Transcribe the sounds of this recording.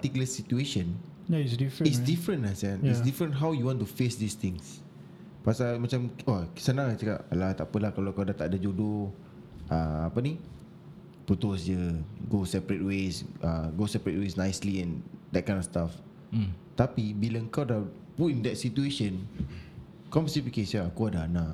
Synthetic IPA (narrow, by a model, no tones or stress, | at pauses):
pat̪ikuləsit̪ueʃə̃n | jaisdifisdifɾə̃nlasɛnjisdifɾə̃nɦawjuwɔ̃nt̪ufesdist̪ɪ̃ŋs | pasamãt͡ʃamasənãŋat͡ʃəka̰ʔlat̪a̰ʔpəlahkalokawdat̪aʔdad͡ʒodo | ʔəapənĩ | put̪ʊsd͡ʒəɡosɛpɾət̚wesʔəɡosɛpɾɛt̚wesnajsliɛ̃ndɛt̚kãj̃ndɔfst̪af | t̪apibilaəŋkawda | putĩndɛt̚sit̪ueʃə̃n | kɔmsipikesjakoadaːnaʔ